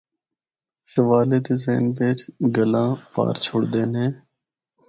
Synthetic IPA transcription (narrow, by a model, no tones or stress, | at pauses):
ʃəʋaːleːt̪eːzḛːnʋeːt͡ʃɡəlãːpa̰ːɾt͡ʃʰoːɽd̪eːnɦẽː